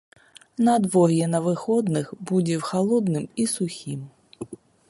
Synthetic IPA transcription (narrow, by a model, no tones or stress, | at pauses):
nɐd̪vɔɾjɛnɐvɨxɔd̪nɨxbud͡zʲɛwxalˠɔd̪nɨmisuxʲim